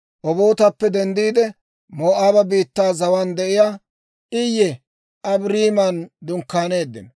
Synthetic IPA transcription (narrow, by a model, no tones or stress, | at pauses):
ʔɔbo̞ːt̪ɐpːɛd̪ɛnd̪iːd̪ɛ | moːʔaːbɐbiːt̪ːaːzɐwand̪ɛʔɪjaː | ʔɪjːɛ | ʔɐbɾiːmɐnd̪ʊŋkːaːne̞ːd̪ːɪ̰n